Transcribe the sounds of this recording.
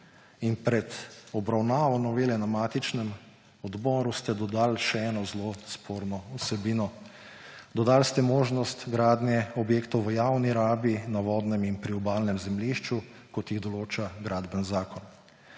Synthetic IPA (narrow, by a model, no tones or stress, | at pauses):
inpɾɛd̪ɔbɾawnaːʋɔnɔʋeːlɛnamaːt̪it͡ʃnɛm | ɔd̪bɔːɾust̪ɛd̪ɔd̪aːlʃɛɛːnɔzlospʰoːɾnɔusɛbiːnɔ | d̪ɔd̪aːlst̪ɛmoːʒnɔst̪ɡɾaːd̪njɛɔbjeːkt̪ɔwʋəjawniɾaːbinaʋɔːd̪nɛminpɾiɔbaːlnɛmzɛmliʃt͡ʃu | kɔt̪jiɣd̪ɔloːt͡ʃaɡɾaːd̪bənzaːkɔn